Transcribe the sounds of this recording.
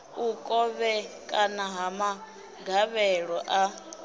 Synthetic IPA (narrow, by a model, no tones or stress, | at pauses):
ukʼɔβɛkʼanaɦama | ɡʱaβɛɺɔʔa